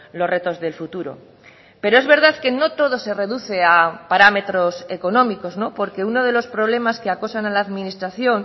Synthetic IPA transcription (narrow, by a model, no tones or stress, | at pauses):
lo̞rre̞t̪o̞zðe̞lfut̪uɾo̰ | pe̞ɾoe̞zβe̞ɾð̞aðke̞no̞t̪o̞ð̞o̞se̞re̞ðuθe̞apaɾame̞t̪ɾo̞se̞ko̞nõ̞miko̞zno̞po̞ɾke̞uno̞ð̞e̞lo̞spɾo̞βle̞maskeako̞sanalaːðminist̪ɾaθjo̞n